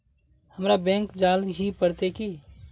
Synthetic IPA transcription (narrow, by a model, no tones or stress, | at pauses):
həmɾabɛ̃ŋkd͡ʒalɦipəɾt̪eki